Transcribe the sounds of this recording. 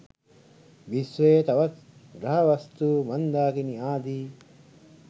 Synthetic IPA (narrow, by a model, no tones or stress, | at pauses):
ʋisʋeːt̪ɐʋɐt | ɡɾɐɦɐʋɐst̪uːmɐnd̪aːkiniaːd̪iː